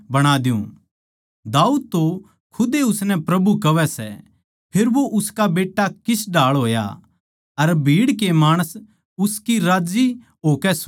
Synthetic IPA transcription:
bɐɽ̃aːd̪jṵ̃ | d̪aːuːd̪̚t̪o | kʰʊd̪eʊsnɛ̃pɾɐbukɐʋɛsɛ̰ | pʰɪɾʋoʔʊskabeːʈːakɪsɖaːɭɦoːja̰ | ɐɾbʱiːɽkemaːɽ̃əs | ʊskiɾaːd͡ʒi | ɦoːkɛs

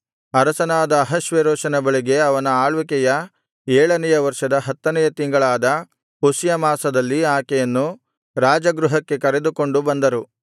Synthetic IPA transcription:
ɐɾɐsɐnaːd̪ɐːɦɐʃʋɐɾɔːʃɐnɐbɐɭiɡe̞ɐʋɐnɐaːɭʋikɛjɐ | ɛːɭɐnɛjɐʋɐɾʂɐd̪ɐɦɐt̪ːɐnɛjɐt̪iŋɡɐɭaːd̪ɐ | pusjɐmaːsɐd̪ɐlːiaːkɛjɐnːu | ɾaːd͡ʒɐɡɾuɦɐkːe̞kɐɾe̞d̪uko̞ɳɖubɐnd̪ɐɾu

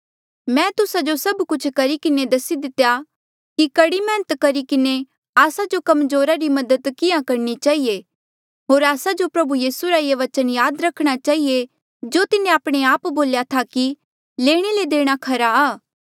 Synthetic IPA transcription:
mɛ̃ːt̪ʊsad͡ʒosɐbkʊt͡ʃʰkɐɾikɪned̪ɐsid̪ɪt̪ːeja | kikɐɽimɛ̃ːnət̪kɐɾikɪne | aːsad͡ʒokɐmzoːɾaɾimɐd̪əd̪kɪjãkɐɾnit͡ʃaːɦie | ɦoːɾaːsad͡ʒopɾɐbujiːsuɾaieʋɐt͡ʃənjaːd̪ɾɐkʰɽ̃at͡ʃaːɦie | d͡ʒoːt̪ɪnẽaːpɽ̃eaːpboːljat̪ʰaki | leːɽ̃eled̪eːɽ̃akʰɐɾaaː

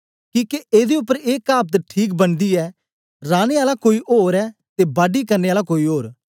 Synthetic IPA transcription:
kĩːkeʔeːd̪eʊpːəɾeːkaːp̚t̪ʈʰiːk̬bənd̪iːɛː | ɾaːneːaːlakoːiːʔoːɾɛːt̪eːbaːɖiːkəɾneːaːlakoːiːɦoːɾ

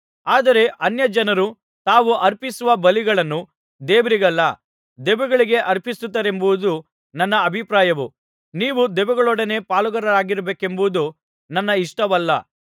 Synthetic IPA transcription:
aːd̪ɐɾe̞ʔɐnjɐd͡ʒɐnɐɾu | t̪aːʋuʔɐɾpisuʋɐbɐliɡɐɭɐnːu | d̪eːʋɐɾiɡɐlːɐ̰ | d̪ɛʋɛɡɐɭiɡe̞ʔɐɾpisut̪ːɐɾe̞mbuud̪u | nɐnːɐːbʱipɾaːjɐʋu | niːʋud̪ɛʋɛɡɐɭɔɽɐne̞ːpaːluɡɐɾɐɾaːɡiɾɐbeːke̞mbuʋud̪u | nɐnːɐiʂʈɐʋɐlːɐ̰

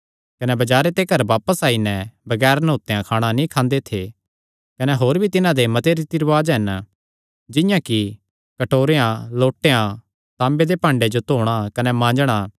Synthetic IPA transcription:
kɐnɛbɐd͡ʒaːɾet̪ekɐɾʋaːpəsaːinɛ̃bɐɡɛːɾnoːt̪ːeãkʰaːɽ̃anĩkʰãːnd̪et̪ʰe | kɐnɛɦoːɾbʱit̪ɪnãd̪emɐt̪eɾit̪iɾʋaːd͡ʒɦɐn | d͡ʒɪ̃jãki | kɐʈoːɾeãloːʈːeã | t̪ãːmbed̪epãːɳɖed͡ʒot̪oːɽ̃akɐnɛmãːd͡ʒɽ̃a

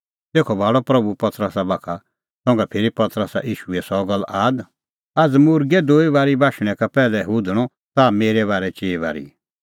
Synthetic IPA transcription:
t̪eːkʰɔbʱaːɽɔpɾɐbupɐt̪ɾəsabaːkʰa | sɔ̃ːŋɡapʰeːɾipɐt̪ɾəsa̰ʔiːʃuɛsɔɡɐlːʔaːd̪ | ɐd͡zmʊɾɡɛd̪oːiβaːɾibʱaːʃɽ̃ɛ̃kapɛːlɛɦuːd̪ʱəɽ̃ɔ | t̪ameːɾɛβaːɾɛt͡ʃeːba̰ːɾḭ

